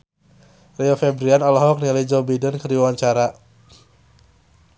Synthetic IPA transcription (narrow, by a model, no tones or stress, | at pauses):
riɔfɛbɾianɔlɔɦɔk̚nilaid͡ʒɔbidənkərdiwaɲt͡ʃaɾa